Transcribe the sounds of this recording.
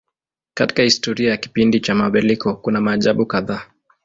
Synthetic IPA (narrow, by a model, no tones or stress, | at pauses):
kati̥kahistɔɾiajaki̥pindit͡ʃamaɓɛlikʰɔkunamaːʄaɓukaðaː